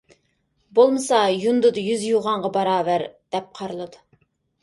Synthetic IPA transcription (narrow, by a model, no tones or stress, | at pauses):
bolˠmɨsɑjund̪ɨd̪ɨjyzjuʁɑɴʁɑbɑɾɑːvæɾd̪̥ɛp̚qʰɑɾɨlˠɨd̪u